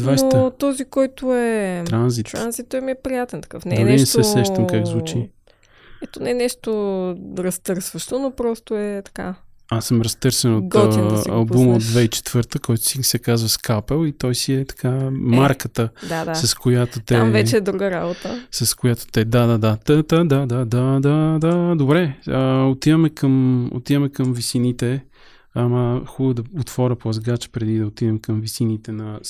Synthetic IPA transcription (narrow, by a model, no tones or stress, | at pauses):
d̪vvajst̪ət̪ɔzikɔjt̪ʊɛt̪ɾanzit̪ɾanzit̪̚t̪ɔɛmiɛpɾijat̪ɛnt̪ɐ̥kɤfnɛɐniɛsɛsɛʃt̪əmkaɡzvut͡ʃi | ɛt̪onɛnɛʃt̪oɾɐst̪ɤɾsvəʃt̪onopɾɔst̪oɛt̪ɐ̥ka̰ | asəmɾɐst̪ɤɾsɛnot̪ɡ̪ɐlˠbbuməod̪vɛit͡ʃɛ̥t̪vɤɾt̪əkɔjt̪ʊ̥sisɛkazvəskapɛlˠit̪ɔjsiɛt̪ɐ̥kammaɾkət̪əd̪aasɐskojat̪ot̪ɛvɛt͡ʃɛd̪ɾuɡəɾabot̪əsɐskojat̪o̥t̪ɛd̪ad̪ad̪at̪ət̪əd̪ad̪ad̪ad̪ad̪ad̪obɾɛəot̪id̪ɐmɛkəmo̰t̪iðəmɛkəmvisinit̪ɛ | aməxubd̪ɐot̪fɔɾʲəpoɐzɡat͡ʃə̥pɾɛd̪id̪ɐot̪id̪ɛmkəmvisinit̪ɛnɐ